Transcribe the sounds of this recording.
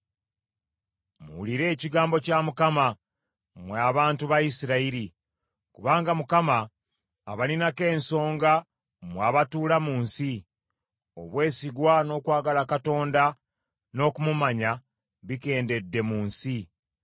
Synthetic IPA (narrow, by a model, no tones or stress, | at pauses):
mṵuliɾe̞ːciɡaːmbo̞camukama | mweaβaːntuβaisiɾaiɾi | kuβaːŋɡamukama̰ː | βalinake̞ːnso̞ːŋɡa | mwaːβatuːlamuːnsi | o̞̰βwe̞ːsiɡwano̞ːkwaːɡalakato̞ːnda | no̞kumumaɲa | βike̞ːnde̞dːe̞muːnsi